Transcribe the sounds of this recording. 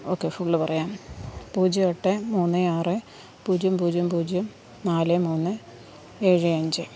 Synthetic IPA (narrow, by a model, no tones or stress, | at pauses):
o̞ːkːefuɭːɨpɐrɐjaːmpuːd͡ʑioʈːɨmuːnːɨaːrɨ | puːd͡ʑumpuːd͡ʑjumpuːd͡ʑjum | naːlɨmuːnːɨ | e̞ːɻɨɐɲd͡ʑɨ